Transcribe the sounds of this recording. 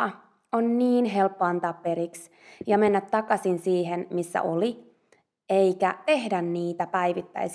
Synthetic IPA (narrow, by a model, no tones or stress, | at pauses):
onniːnɦelpːoɑnt̪ɑːpːeɾiks | jɑmenːæt̪tɑkɑsinsiːɦenmisːæ̰ʔoli | eikæt̪ehdænniːt̪æpæiʋit̪ːæ̰is